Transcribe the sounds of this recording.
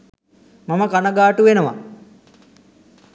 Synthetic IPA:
maməkanəɡaːʈuʋenəʋa̰

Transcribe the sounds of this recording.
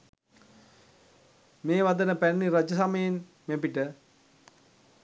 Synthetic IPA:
meːʋad̪ənəpænːiɾad͡ʒəsaməjen | mepiʈə

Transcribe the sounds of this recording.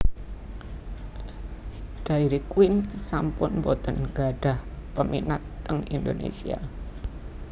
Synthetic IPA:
ɖ̥aiɾikwɪnsampʊnmbot̪ənɡ̥aɖ̥a̤hpəmḭnat̪ːəŋḭnd̪onḛsia̰

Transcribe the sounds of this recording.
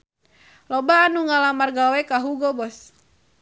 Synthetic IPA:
lɔbaːnuŋalamarɡawɛkaɦuɡɔbɔs

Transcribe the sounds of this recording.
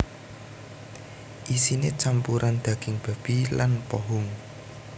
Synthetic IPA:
ʔisinet͡ʃampuɾand̪̥ä̤ɡ̥ɪŋb̥a̤b̥ilanpɔɦʊŋ

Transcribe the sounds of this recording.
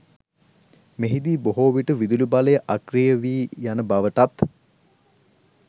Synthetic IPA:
meɦid̪iːboɦoːʋiʈəʋid̪ulubaləjəʔakrijəʋiːjanəbaʋəʈat̪

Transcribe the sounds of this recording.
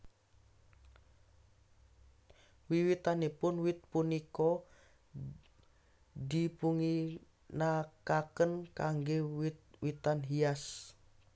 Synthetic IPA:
wiwit̪anepʊnwɪt̪̚punikɔ | dipuŋi | nakakənkaŋɡewit̪̚wit̪anɦias

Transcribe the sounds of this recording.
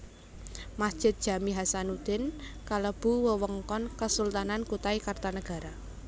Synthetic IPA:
masd̥ʒ̥ɪ̤t̪̚d̥ʒ̥a̤miɦasanud̪̥ɪnkaləb̥ṳwəwəŋkɔnkəsult̪anankut̪aikart̪anəɡ̥a̤ɾa

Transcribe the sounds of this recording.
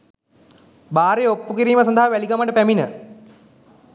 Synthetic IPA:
baːɾeopːukiɾiːməsaɐnd̪aɦaʋæliɡaməʈəpæminə

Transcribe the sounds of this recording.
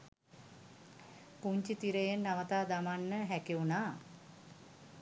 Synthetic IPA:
puɲt͡ʃit̪iɾəjenːaʋət̪aːd̪amanːəɦækiunaː

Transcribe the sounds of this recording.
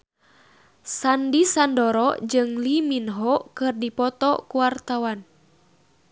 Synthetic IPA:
sandisandɔɾɔd͡ʒɨŋliminɦɔkɨrdipɔt̪ɔkuwart̪awan

